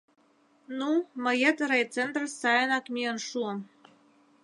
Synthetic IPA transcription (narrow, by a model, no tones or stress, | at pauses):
numə̆jə̆t̪ɾejt͡sent̪rsɑjənɑkmʲiənʃuə̆m